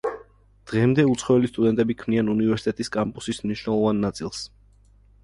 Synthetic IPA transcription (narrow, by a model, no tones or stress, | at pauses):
d̪̥ʁɛmd̪ɛut̪sʰχɔɛlist̪ʼud̪ɛnt̪ʼɛbikʰmnianunivɛɾsi̥t̪ʼɛt̪ʼiskʼampʼusismniʃwnɛlˠɔvanːat̪sʼilˠs